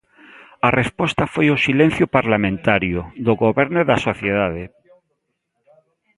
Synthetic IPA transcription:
arespɔst̪afojʊsilẽn̟θjʊpaɾlamẽnt̪aɾjʊðʊɣoβɛɾnʊðasoθjeðaðe

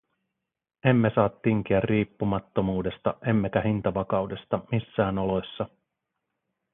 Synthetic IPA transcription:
e̞mːe̞sɑːt̪ːiŋk̟iærriːpːumɑt̪ːo̞muːde̞st̪ɑʔe̞mːe̞kæhint̪ɑʋɑkɑwde̞st̪ɑmisːæːnolo̞sːɑ

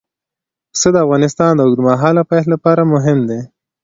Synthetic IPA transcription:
səd̪əavɣɑnɪst̪ɑnd̪əʊɡɾmaɦɑlapɑjtlapɑɾamʊɦɪmd̪e

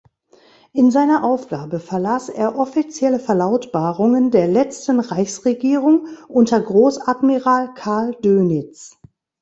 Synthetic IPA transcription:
ʔɪnzaɪnɐʔaʊfɡ̥aːbəfɛɐlaːsʔḛːɐʔɔfit͡sjɛləfɛɐlaʊtb̥aːʁʊŋəndeːɐlɛt͡stn̩ʁaɪçsʁeɡiːʁʊŋʔʊntɐɡʁoːsadmiʁaːlkʰaɐldøːnɪt͡s

